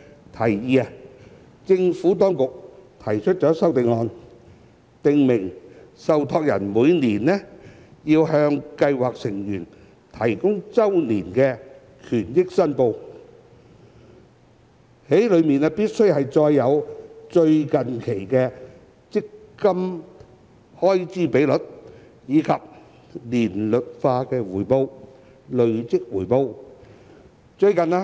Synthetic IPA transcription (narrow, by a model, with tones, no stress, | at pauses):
t̪ʰɐ˨˩jjiː˨˧a˧ | t͡sɪ˧ŋfuː˨˥t̪̬ɔː˥ŋkʊ˨k̚t̪ʰɐ˨˩jt͡ʃʰɵ˥t̚t͡ʃɔː˨˥sɐ˥wt̪ɪ˨˧ŋːɔː˧n | t̪ɪ˨˧ŋmɪ˨˩ŋsɐ˨˧wt̪ʰɔː˧k̚jɐ̰˨˩nmuː˨˧jniː˨˩nɛ˥ | jiː˧wɦœː˧ŋkɐ˧jwaː˨k̚sɪ˨˩ŋjyː˨˩n | t̪ʰɐ˨˩jkʊ˥ŋt͡sɐ˥wniː˨˩nkɛː˧ | kʰyː˨˩njɪ˥k̚sɐ˥npo˧w | he˨˥jlɵ˨˧ɥmiː˨naː˧piː˥t̚sɵ˥ɥhɐ˨jt͡sɔː˧jːɐ˨˧wt͡ʃɵ˧ɥkɐ˨nkʰe˨˩jkɛː˧ | t͡sɪ˥kːɐ˥m | hɔː˥jt͡siː˨˥pe˨˥jlɵ˨˩t̚ | jiː˨˧kʰɐ˨p̚ | liː˨˩nlɵ˨t̚faː˧kɛː˧wuː˨˩jpo˧w | lɵ˨˧ɥt͡sɪ˥k̚wuː˨˩jpo˧w | t͡ʃɵ˧ɥkɐ˨naː˧